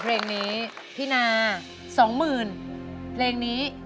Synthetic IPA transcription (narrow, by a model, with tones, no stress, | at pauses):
pʰleː˧ŋniː˦˥ | p̪ʰiː˥˩naː˧ | sɔː˩˦ŋmɯː˨˩npʰleː˧ŋniː˦˥